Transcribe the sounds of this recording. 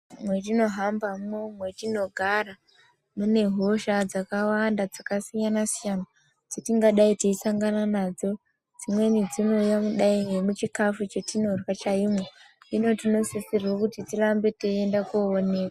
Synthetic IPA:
mwe̞tino̞ɦambamomwe̞tino̞ɡʱara | mune̞ɦo̞ʃad͡zakawandad͡zakasijanasijana | d͡zotiŋɡaɗaitiisaŋɡananaːd͡zo̞ | d͡zimwe̞nid͡zino̞jamuɗaiɦemut͡ʃikafut͡ʃetino̞rwat͡ʃaimo | ino̞tino̞sisirokutitirambe̞teendakuone̞ka

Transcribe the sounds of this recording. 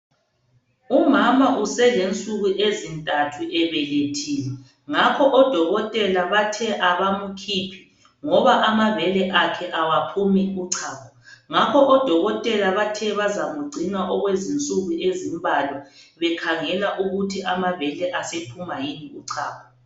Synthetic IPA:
umamaʔusɛlent͡sʼuɣuʔezintʼatʰuʔɛβɛletʰiːlɛ | ŋakʰɔʔɔd̥ʱɔɣɔtʼɛlaβatʰɛʔaβamukʰiːpʰi̥ | ŋɔβaʔamavɛlɛʔakʰɛʔawapʰumiuǀʰaːkʰɔ̥ŋakʰɔʔɔd̥ʱɔɣɔtʼɛlaβatʰɛβazamuɡ͡ǀʱinaʔɔɣwezint͡sʼuɣuezimbʱalɔβɛkʰaŋɛlaʔuɣutʰiamaβɛlɛʔasepʰumajiniuǀʰaːkʰɔ

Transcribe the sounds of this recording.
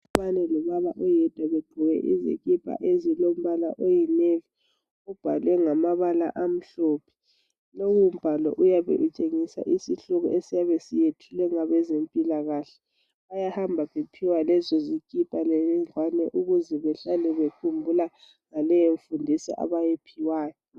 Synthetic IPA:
uβanɛlɔβalaʔɔjɛd̥ʱwaβeɡ͡ǃ̥ʱuwɛ̰ʔḭzḭɣʼipʼa̰ʔezilom̩βala̰ʔojɛnevi | ub̥ʱa̰lwɛŋamaβala̰ʔam̩ɬoːpʰɛ̥ | lowum̩b̥ʱalɔ̰ʔujaβɛ̰ʔut͡ʃʼeŋisa̰ʔisiɬuɣɔ̰ʔesijaβesijetʰulɛŋaβɛzempʼilaɣaɬɛ̥ | βajahambʱaβepʰiwalɛzɔzikʼipʼaleiŋwanɛʔuɣuzɛβɛɬalɛβekʰumbʱula | ŋalɛjoɱfundʱisɛ̰ʔa̰βajepʰiwaːjɔ

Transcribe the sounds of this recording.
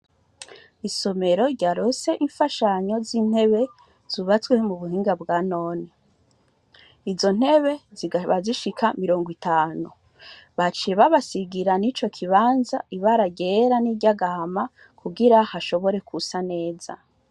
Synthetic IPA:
iso̞me̞ɾo̞ɾɟaɾose̞ʔiɱfaʃaɲo̞ziːn̥he̞βe̞ | z̥uβat͡swe̞muβuhiːŋɡabɡaːno̞ːni | izo̞n̥he̞βe̞ziβaziʃikʰamiɾo̞ːŋɡwitaːnu | βat͡ʃiβaβasiɡiɾanit͡ʃo̞kʰiβaːnzaiβaɾaɡeɾaniɟaɡahama | kʰuɡiɾahaʃo̞βo̞ɾe̞kʰusane̞ːza̰

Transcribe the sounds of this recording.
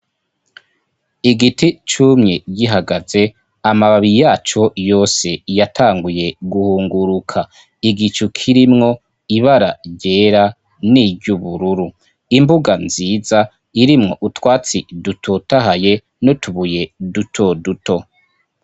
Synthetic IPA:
iɡitit͡ʃumɲeɟiɦaɡaze̞ | amaβaβijaːt͡ʃo̞jo̞ːse̞jatʰaːŋɡuje̞ɡuhuːŋɡuɾukʰa | iɡit͡ʃukʰiɾimŋo̞ | iβaɾaɟe̞ːɾa | niɟuβuɾuɾu | imbuɡanziːza | iɾimŋo̞̰ʔutwaːt͡sidutʰotaɦaje̞ | notʰuβuje̞dutʰo̞duto̞

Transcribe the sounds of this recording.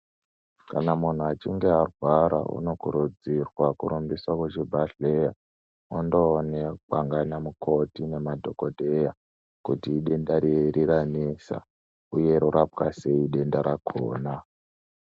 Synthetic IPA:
kanamun̤uat͡ʃiŋɡe̞arwaɾa̰ʔṵno̞kuɾud͡zirwakuɾumbiswakwet͡ʃibʱaɬe̞ja | ondo̞nek͡paŋɡanamukʰo̞tine̞madʱo̞kodʱe̞ja | kutiːɗe̞ndaɾiɾiɾanesa̰ | uje̞ɾuɾʔapkase̞iɗe̞ndaɾakʰo̰ːna

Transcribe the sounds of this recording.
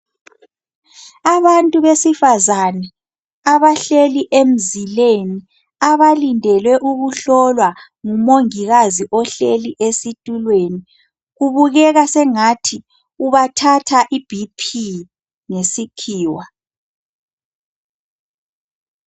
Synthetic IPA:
aβantʼuβesifazanɛ | aβaɬeliʔem̩zileni | aβalindʱɛlwɛʔuɣuɬɔlwa | ŋumoŋiɣaziʔɔɬeliʔesitʼulweni | ɣuβuɣɛɣasɛŋatʰi | uβatʰatʰaʔib̥ʱipʰi | ŋesikʰiːwa

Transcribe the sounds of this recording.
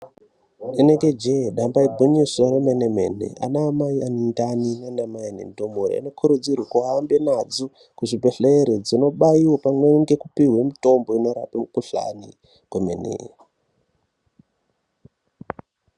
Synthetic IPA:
eneŋɡed͡ʒeɗambaibʱuɲisoɾemenemḛnḛʔa̰naːmaianndaninandamainḛndomoɾḛḭno̞kʰuɾud͡zirwakuambenad͡zo | kuʐibʱeɬeːɾed͡zino̞ɓaiwopamweŋɡe̞kupiɦwemito̞mbo̞ino̞ɾa̰pamukuɬa̰nḭ | kwemḛnḛ

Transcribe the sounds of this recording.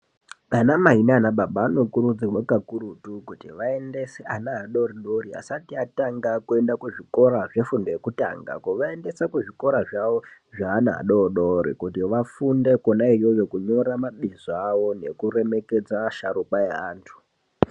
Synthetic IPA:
anamaɦinaːnaɓaɓaːno̞kuɾud͡zirwakakuɾutukutiʋae̞nde̞seʔanaɦːɗo̞riɗoria̰satiataŋɡakue̞ndakuʐiko̞ɾaʐe̞fundojekuta̰ŋɡa̰koʋae̞nde̞sakuʐiko̞ɾaʐaʋo | ʐaːnaɦa̰ɗoɗoɾḭkutiʋafunde̞konaijojekuɲo̞ɾamaɓizaʋo̞ne̞kure̞me̞ke̞d͡zaʃaɾupaeaːntʰu̥

